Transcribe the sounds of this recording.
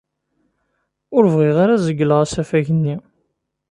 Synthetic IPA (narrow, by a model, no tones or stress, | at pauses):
ʊɾvʁiʁaɾazəɡːələʁasæfæʝənːi